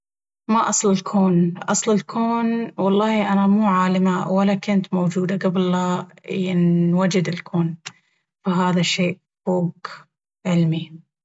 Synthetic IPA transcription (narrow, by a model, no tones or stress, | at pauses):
maʔɑsˤlɪlkʰoːnʔɑsˤlɪlkʰoːnwɑlˤːɑːhiʔanamuːʕaːlɪmawalːakɪnt̪mowd͡ʒuːd̪aɡablːajɪnwad͡ʒɪd̪ɪlkʰoːn | faɦaːðaʃeːʔ | foːɡ | ʕɪlmi